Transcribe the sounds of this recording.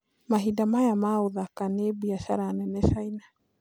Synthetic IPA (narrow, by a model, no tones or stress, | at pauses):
maɦidamajamaoðakanebuaʃaɾanɛnɛʃaina